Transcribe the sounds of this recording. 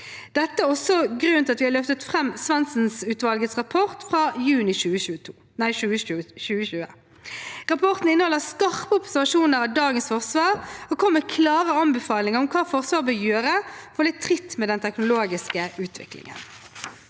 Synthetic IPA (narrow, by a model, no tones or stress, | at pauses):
d̪̥ɛt̪ːəæʁɔsɔɡɾʉnt̪ɑt̪ʋɪhɑʁløːft̪ət̪fʁɛmːsʋɛnsn̩sʉːt̪ʋɑlɡət̪sʁɑpʰɔʁt̪fʁɑːjʉːnɪʃʉːəʃʉː | næɪʃʉːəʃʉːəʃʉːə̰ | ʁɑpʰɔʁt̪n̩ɪnːəhɔlːəskɑʁpəɔpsæʁʋɑʃuːnəɾɑd̪ɑːɡənsfɔʁsʋɑːʁɔkʰɔmːəkʰlɑːʁəɑnbɛfɑːlɪŋəʁɔmkʰɑːfɔʁsʋɑːʁbɪjøːʁəfɔʁlɪt̪ʰːʁɪt̪ːmɛːd̪ɛnt̪ʰɛknʊloːɡɪskəʉːt̪ʰʋɪ̰klɪ̰ŋə̰n